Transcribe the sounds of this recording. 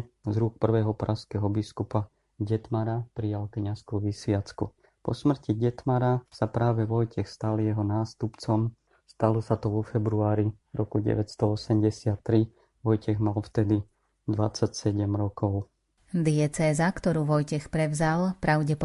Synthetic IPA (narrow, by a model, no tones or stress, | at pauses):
zɾuk̚pr̩ʋɛːɦɔpɾʔaskɛːɦɔbiskupa | ɟɛt̪maɾapɾijalkɲaskuʋisʋɪat͡skṵ | pɔsmr̩ciɟɛt̪maɾasapɾaːʋɛʋɔjcɛxst̪aljɛɦɔnaːst̪upt͡sɔm | st̪alɔsat̪ɔʋɔfɛbɾuaːɾi | ɾɔkuɟɛ̰ʋɛcst̪ɔɔsɛmɟɛsɪat̪ːɾi | ʋɔjcɛɣmalft̪ɛd̪i | d̪ʋat͡sːacsɛɟɛmɾɔkɔʊ | d̪ɪɛt͡sɛːzakt̪ɔɾuːʋɔjcɛxpɾɛʋzalpɾaʊɟɛpɔ